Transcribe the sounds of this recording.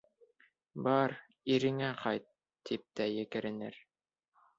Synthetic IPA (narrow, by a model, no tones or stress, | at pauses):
bɑɾ | iɾɘ̆ŋæqɑjt̪ː | ip̚t̪æjɘ̆kɘ̆ɾɘ̆nɘ̰ɾ